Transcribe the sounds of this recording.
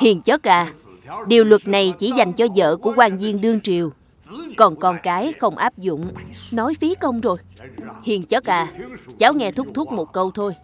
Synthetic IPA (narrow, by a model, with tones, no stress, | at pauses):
hḭ˨˩əŋt͡ɕə˦˥t̚ʔaː˧˩ | ɗi˨˩əwlwə˨˩t̚na˨˩jt͡ɕi˧˩za˨˩jŋ̟t͡ɕɔ˧zə̰ː˧˨ku˧˩əkwaː˧ŋzi˧əŋɗɨ˧əŋt͡ɕi˨˩əw | kɔ˨˩nkɔ˧˩nkaː˨˦jxə˧wŋ͡mʔaː˦˥p̚zʊ̰˧˨ŋ͡mnɔ˨˦jfi˨˦əkə˧wŋ͡mzo˨˩jhḭ˨˩əŋt͡ɕə˦˥k̚ʔaː˧˨˩t͡ɕaː˨˦wŋɛ˧t̪ʰʊ˦˥k͡p̚t̪ʰʊ˦˥k͡p̚mo˨˩t̚kə˧wt̪ʰo˧j